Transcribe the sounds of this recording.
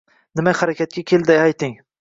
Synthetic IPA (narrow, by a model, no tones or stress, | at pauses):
nɪmahaɾakʲʰat̪̚kʲakʲʰeld̪ɪajt̪ʰɪŋ